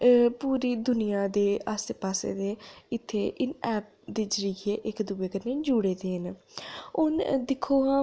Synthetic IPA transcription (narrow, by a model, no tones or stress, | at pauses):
puːɾiːd̪ʊnijaːd̪eːaːst̪epaːsḛːd̪eːɪt̪ʰːeːʔɪnɛːp̚ | d̪eːd͡ʒəɾiːɡʰeːʔɪkd̪uːbeːkəɾneːd͡ʒuːɽeːd̪eːn | ʊnd̪ɪkʰːoːɦãː